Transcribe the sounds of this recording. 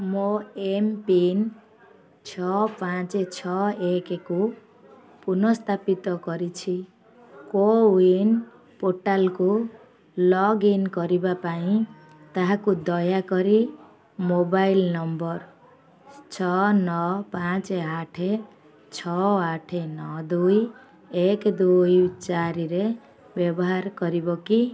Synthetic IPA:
moempin | t͡sʰʌpãt͡set͡sʰʌekeko | punʌst̪ʰapit̪ʌɡʌɾit͡sʰi | kowin | poʈalko | lʌɡinɡʌɾibapaĩ | t̪aɦãkud̪ɔjakɔɾi | mobajlnʌmbʌr | t͡ʃʰɔnɔpãt͡seaʈʰe | t͡sʰɔaʈʰenɔd̪uj | ekd̪ujt͡ʃaɾiɾe | bjɔbɔɦaɾɡʌɾibɔki

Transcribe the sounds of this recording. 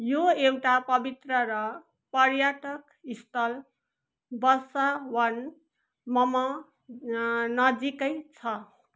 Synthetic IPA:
joewʈapʌbit̪rʌɾʌ | pʌrjaʈʌk | ist̪ʰʌl | bʌsawʌn | mʌmʌ | nʌd͡zikʌjt͡sʰʌ

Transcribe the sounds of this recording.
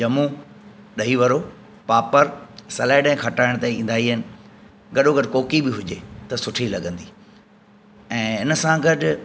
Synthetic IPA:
d͡ʑɐmu | ɗɐɦiʋɐɾoː | paːpəɾsɐlaːɪɗɛ̃kʰɐʈaːɪ̃ɽ̃t̪aːĩĩːnd̪aːɦiɦɪnɪ̆ | ɡɐɗoɡɐɖɪkoːkibɪɦʊd͡ʑet̪ɐsʊʈʰilɐɠə̃nd̪iː | ɛ̃ːɪnəsãɡɐɗʊ

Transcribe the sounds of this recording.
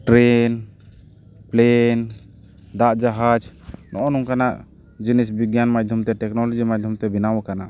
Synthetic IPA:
ʈɾɛn | plɛn | d̪aʔd͡ʒaɦad͡ʒnɔʔɔnuŋkanaʔ | d͡ʒinisbiɡjanmad̪ʱjɔmt̪ɛʈɛknɔlɔd͡ʒimad̪ʱjɔmt̪ɛbinawɛkanaʔ

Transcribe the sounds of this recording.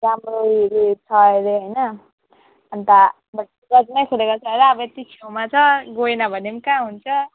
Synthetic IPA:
ɾamroɦiɾit͡sʰʌeɾeɦʌjnʌ | ʌnt̪a | bʌʈ | ɡʌd͡zmajkʰulekat͡sʰʌeɾaːbʌet̪it͡sʰewmat͡sʰʌɡoenʌbʱʌnemkãɦunt͡sʰʌ

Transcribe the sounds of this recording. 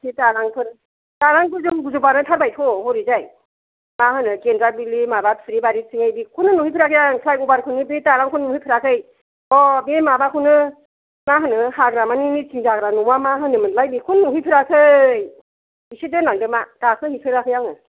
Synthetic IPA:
tʰitaɾaŋpʰɯɾ | taɾaŋɡuzuŋɡuzupanɯtʰaɾbajtʰɔhɔɾizaj | mahɯnɯkendɾabilimabapʰɯɾibaɾisiŋajbikʰunɯnuhijpʰɯɾakʰɯjaŋpʰlajubaɾkʰunɯbetaɾaŋkʰunnuhijpʰɯɾakʰɯj | ɔbemabakʰunɯ | maɦɯnɯhaɡɾamaninit͡ʃiŋzaɡɾanuwamaɦɯnɯmɯnlajbikʰunnuɦijpʰɾakʰɯj | bisidɯnaŋdɯmatakʰɯhipʰɯɾakʰɯjaŋɯ

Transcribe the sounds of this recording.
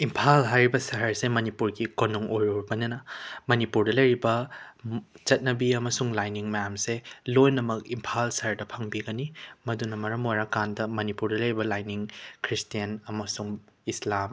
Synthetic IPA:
impʰalɦajɾibɐsɐɦɐɾsemɐnipuɾɡikonuŋojɾoɾbɐnɐnɐmɐnipuɾdɐlɐjɾibɐ | t͡ʃɐt̚nɐbiɐmɐsuŋlajniŋmɐjamselojnɐmɐk̚impʰalsɐɦɐɾdɐpʰɐŋbiɡɐnimɐdunɐmɐɾɐmojɾakandɐmɐnipuɾdɐlɐjɾibɐlajniŋkʰɾistijɐnɐmɐsuŋislam

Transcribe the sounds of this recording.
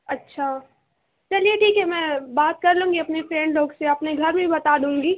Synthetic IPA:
ɐtːʃʰaː | t͡ʃɐlieʈʰiːkɦɛmɛ̃baːt̪̚kɐɾlũːŋɡiɐpnepɾẽːɳɖloːɡseɐpneɡʱɐɾmʱibɐt̪aːd̪ũːŋɡiː

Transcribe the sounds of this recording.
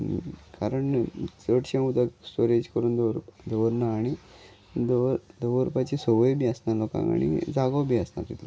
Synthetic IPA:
kaɾəɳsəʈɕẽud̪asʈoɾed͡ʑkəɾuːnd̪əʋɾupd̪əʋɾnaːɽi | d̪d̪əʋɾupat͡ɕisoʋəjbiəsnalɔkã̰ŋɡa̰ɽḭd͡zaɡawbʱiasna̰ɾt̪it̪l

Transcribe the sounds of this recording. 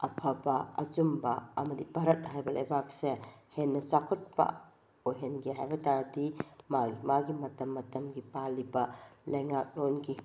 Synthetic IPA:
ɐpʰɐbɐɐ̰zumbɐɐ̰mɐdipɐɾɐt̚ɦajbɐlʔɐ̰jbak̚sehenːɐsakʰot̚pɐ̰ | ojɦenɡiɦajbɐtaɾdimaɡimaɡimɐtɐmːɐtɐmɡipalibɐlɐjŋak̚nonɡi

